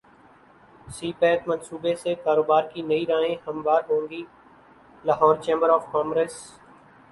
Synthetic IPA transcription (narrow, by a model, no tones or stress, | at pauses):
siːpɛːt̪mənsuːbesekaːɾoːbaːɾkinɐiːɾãːɦẽhɐmʋaːɾɦõːŋɡiː | laːɦɔːɾt͡ʃẽːmbəɾɔːfkɔːmɡɾeːs